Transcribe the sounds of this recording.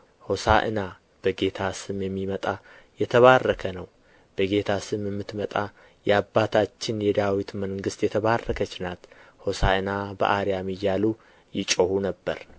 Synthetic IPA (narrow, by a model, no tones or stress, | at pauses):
ho̞saʔɨ̰na | b̥əɡe̞t̪ʰasɨmjɛmːimət̪ʼa | jɛt̪ʰəβarːəkʰənəw | b̥əɡe̞t̪ʰasɨmjɛmːɨt̪mət̪ʼa | jɛabːat̪ʰat͡ʃːɪnjɛd̪awit̪məŋɡɨst̪jɛt̪ʰəβarːəkʰət͡ʃːnat̪ho̞saɨnabə̰ʔaɾjamɨjːalu | jɪt͡ʃʼohunəbːə̰ɾ